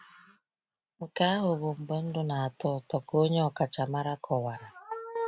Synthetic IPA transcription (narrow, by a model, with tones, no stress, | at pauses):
ŋ̩˨ka˦ɦʊ˨βʊ˨m̩˨be˦n̩˦dʊ˦na˨a˨tʊ˦˨tɔ˨ko˦ɲe˦ɔ˨ka˨t͡ʃa˨ma˦ɾa˦kʰɔ˨wa˨ɾa˨